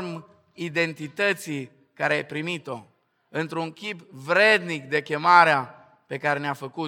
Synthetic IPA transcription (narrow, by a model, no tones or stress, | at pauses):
rm | id̪e̞nt̪it̪ət̪sij | kaɾeajpɾimit̪o̞ | ɨnt̪ɾuŋkʲipvɾe̞d̪nik̚d̪e̞kʲe̞maɾea | pe̞kaɾe̞neafəku